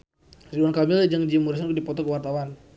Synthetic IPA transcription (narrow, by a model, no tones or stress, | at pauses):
riduankamild͡ʒaŋd͡ʒimuɾisankdipɔt̪ɔkəwart̪awan